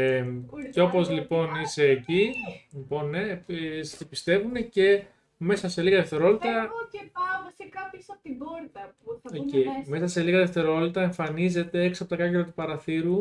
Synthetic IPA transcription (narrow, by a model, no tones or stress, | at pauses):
ceo̞po̞zlipo̞neseːcilipo̞nːessepist̪e̞vune̞ce̞ | me̞sɐse̞liɣɐðeft̪e̞ɾo̞lit̪ɐ | ɐsekɐpjosɐpot̪iboɾt̪ɐpuɐimesɐse̞liɣɐðe̞ft̪e̞ɾo̞lit̪ɐeɱfɐnize̞t̪e̞eksiɐpo̞t̪ɐkɐceɾɐt̪upɐɾɐθiɾu